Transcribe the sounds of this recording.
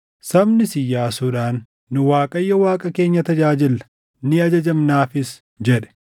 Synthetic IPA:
sɐbnɪsɪjːaːsʊᶑaːnː | ʊwaːkʼɐjːɐwaːkʼɐke̞ːɲːɐt̪ɐd͡ʒaːd͡ʒɪlːɐ̥ | nɪɐd͡ʒɐd͡ʒɐmnaːfɪs | d͡ʒɛᶑɛ̥

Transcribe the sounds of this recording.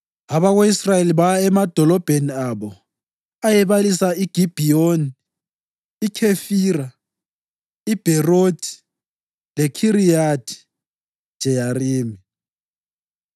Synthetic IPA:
aβaɣweisrajeliβaɛmad̥ʱɔlɔb̥ʱeniaβɔ | ajɛβalisaiɡ̥ʱib̥ʱijoni | ikʰefiːra | ib̥ʱɛrod̥ʱi̥ | lɛkʰiɾijadʰi̥ | d̥ʒ̥ʱɛjariːmi

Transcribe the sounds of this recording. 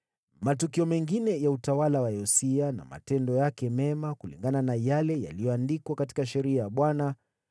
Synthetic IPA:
matukiɔmɛŋɡinɛjautawalawaɛɔsiana̰ma̰tɛndɔjakɛmɛmakulḭŋɡananajalɛja̰lijɔandikwakati̥kaʃɛɾiajaɓwana

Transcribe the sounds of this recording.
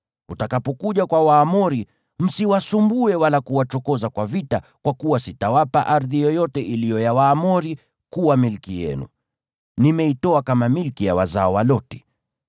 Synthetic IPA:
utakapɔkuʄakwawaːmɔɾi | m̩siwasumbuɛwalakuwat͡ʃɔkɔzakwavitakwakuwasitawapaʔaɾðijɔjɔtɛʔilijɔjawaːmɔɾi | kuwamilkijɛ̰nṵ | nimɛitɔakamamilkijawa̰zaɔwalɔtɛ̥

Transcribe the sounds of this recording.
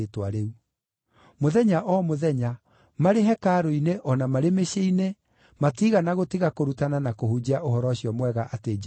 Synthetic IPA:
twaɾeu | moðɛɲaʔɔmoðɛɲa | maɾeɦɛkaːɾoineʔɔnamaɾemeʃeine | matiɣanaɣotiɣakoɾutananakohud͡ʑeaʔoɦɔɾɔɕiɔmwɛɣaʔated͡ʒ

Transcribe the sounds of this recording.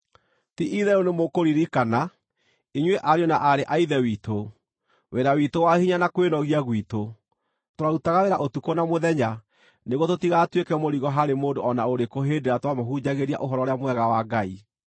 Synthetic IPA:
tiʔiðɛɾonemokoɾiɾikana | iɲweʔaɾeɔnaʔaɾeʔaiðɛwiːto | weɾawitowahiɲanakwenɔɣiaɣwiːto | toɾautaɣaweɾaʔotukonamoðɛɲa | neɣototiɣatwekɛmoɾiɣɔɦaɾemoːndoɔnaoɾekoɦeːdeɾatwamoɦud͡ʑaɣeɾia̰ʔoɦɔɾɔɾeamwɛɣawaɡai

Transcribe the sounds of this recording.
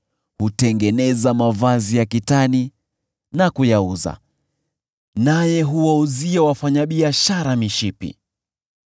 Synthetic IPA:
hutɛŋɡɛnɛzamavazijakitani | nakujauza̰ | najɛɦuwauziawafaɲaɓiaʃaɾamiʃipḭ

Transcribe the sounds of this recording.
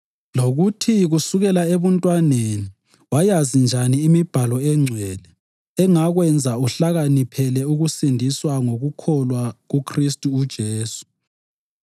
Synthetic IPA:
loɣutʰiɣusuɣɛlaeβuntʼwaneni | wajazind͡ʒʱaniːmib̥ʱalɔɛŋ͡ǀʱɛːlɛː | ŋaɣwɛnd͡zʱauɬaɣanipʰɛlɛuɣusindʱiswaŋoɣukʰɔlwaɣukʰristʼuːd̥ʒ̥ʱeːsu̥

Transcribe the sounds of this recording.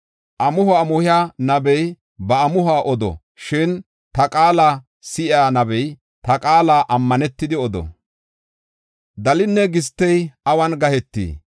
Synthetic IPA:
ʔɐmʊhʊaːmʊhɪjaːnɐbɛj | bɐɐmʊhaːʔɔd̪ɔ̰ | ʃɪn | t̪ɐkʼaːlaː | sɪʔɪaːnɐbɛj | t̪ɐkʼaːlaːʔɐmːɐnɛt̪ːɪd̪ɪɔd̪ɔ̰ | d̪ɐlɪnːɛɡɪst̪ːɛjʔɐwɐnɡɐhɛt̪ːḭː

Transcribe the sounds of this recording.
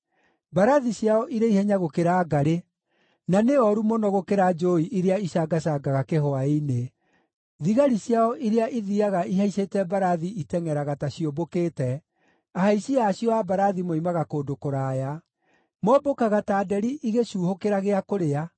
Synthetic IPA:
baɾaðiɕjaɔʔiɾeihɛɲaɣokeɾaːɡaɾe | naneɔɾumɔnɔɣokeɾad͡ʒoiʔiɾeaiɕaɡaɕaɡaɣakeɦɔaine | ðiɣaɾiɕjaɔʔiɾeaʔiðiaɣaiɦaisetɛbaɾaðiitɛŋɛɾaɣataɕiobokeːtɛ | aɦaiɕiaːɕjɔabaɾaðimoimaɣakoːdokoɾaːja | mɔbokaɣataːdɛɾiʔiɣeuːhokeɾaɣeakoɾea

